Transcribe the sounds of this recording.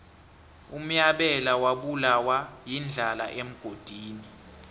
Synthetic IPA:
um̩jaɓɛlawaɓulawajind͡ɮʱala̰ʔem̩ɡ̥ʱod̥ʱiːni

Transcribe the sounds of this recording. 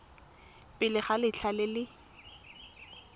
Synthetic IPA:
pʼɪlɪχalɪt͡ɬʰalɪlɪ

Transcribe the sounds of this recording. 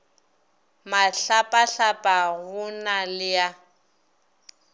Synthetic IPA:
maɬapʼaɬapʼaɣʊnalɪja

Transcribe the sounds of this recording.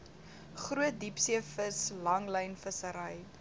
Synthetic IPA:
χruət̚dipsiəfəslɐŋləjnfəsəɾəj

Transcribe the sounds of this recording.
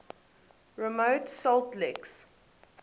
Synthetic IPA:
ɹəmoʊtsɔltlɛks

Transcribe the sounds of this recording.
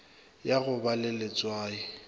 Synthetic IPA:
jaɣʊbalɪlɪt͡sʼwaːɪ

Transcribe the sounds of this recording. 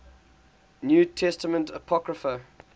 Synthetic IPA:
njuːtʰɛstəmə̃ntəpʰɔɡɹəfə

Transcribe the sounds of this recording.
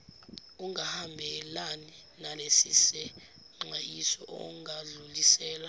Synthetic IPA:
uŋahambʱɛlani | nalesisɛ | ŋ͡ǃajisɔʔɔ̰ŋaɮulisɛːla

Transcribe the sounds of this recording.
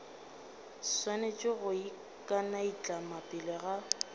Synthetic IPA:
swanet͡ʃʼɪɣʊi | kʼanait͡ɬʼamapʼɪleɣa

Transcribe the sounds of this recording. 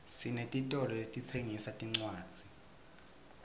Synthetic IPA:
sinetʼitʼɔlɔetʼit͡sʰeŋisatʼiŋ͡ǀwaːd̥d͡z̥ʱi

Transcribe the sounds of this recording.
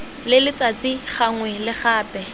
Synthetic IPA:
lɪlɪt͡sʼat͡siχaŋwɛlɪχaːpʼɛ

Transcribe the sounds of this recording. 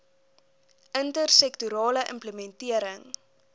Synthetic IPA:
əntərsɛktuɾɑːləʔə̰mpləmɛntiəɾəŋ

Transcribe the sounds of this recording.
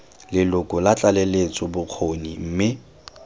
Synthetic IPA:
lɪlʊkʼʊlat͡ɬʼalelet͡sʼɔbʊq͡χʰonim̩ːmɪ

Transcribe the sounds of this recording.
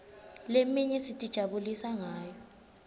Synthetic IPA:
lemiɲɛsitʼid̥ʒ̥ʱaɓulisaŋaːjɔ

